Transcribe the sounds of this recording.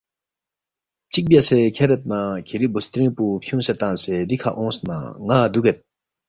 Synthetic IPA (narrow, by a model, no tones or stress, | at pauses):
t͡ɕik̚bjasɛkʰeɾət̪̚nakʰeɾibust̪ɾiŋpupʰuŋset̪aŋsed̪ikʰaʔɔ̃ŋsna̰ŋad̪uket̪̚